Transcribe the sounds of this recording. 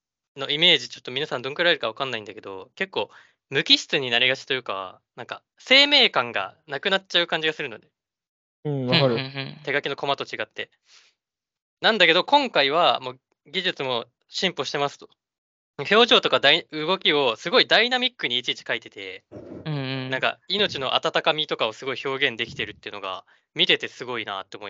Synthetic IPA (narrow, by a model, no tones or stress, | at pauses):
no̞ime̞ːʑit͡ɕo̞t̪ːo̞mʲinasãnd̪õŋkɯɾaɾeɾɯ̟kaβ̞akãnːaĩnd̪ake̞d̪o̞̰ke̞kːo̞ː | mɯ̟kʲiɕi̥t͡sɨɲ̟inaɾʲiɡat͡ɕi̥t̪o̞jɯ̟ːka̰ | nãŋka̰ | se̞ːme̞ːkãŋɡa̰nakɯ̟nat͡ɕaɯ̟kãɲ̟d͡ʑiɡasɨɾɯ̟no̞̰d̪e̞ | ɯ̃βkaɾɯt̪e̞ɡakʲino̞ko̞mat̪o̞t͡ɕiɡat̪ːe̞ | nãnd̪ake̞d̪o̞kõ̞ŋkaiβ̞amo̞ː | ɡʲiʑɨt͡sɨmo̞ | ɕĩmpo̞ɕi̥t̪e̞masɨ̥t̪o̞̥ | nakaço̞ːʑo̞ːt̪o̞kad̪aiɯ̟ɡo̞kʲio̞sɨɡo̞id̪ainamʲikːɯ̟ɲ̟iːt͡ɕit͡ɕi̥kait̪e̞t̪e̞ | nãŋka̰ino̞t͡ɕino̞ʔa̰t̪at̪akamʲit̪o̞kaosɨɡo̞iço̞ːɡẽ̞nd̪e̞kʲt̪e̞ɾɯ̟t̪ːeiɯ̟no̞ɡa̰ | mʲit̪e̞t̪e̞sɨɡo̞ina̰ːt̪ːe̞omoi